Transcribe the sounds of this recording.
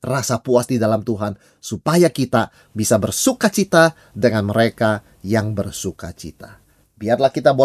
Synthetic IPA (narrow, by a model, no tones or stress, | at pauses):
rasapuasdidalamt̪uɦan | supajakit̪a | bisabərsukat͡ʃit̪a | dəŋanməɾeka | jaŋbərsuka̰t͡ʃḭt̪a | biarlahkit̪abo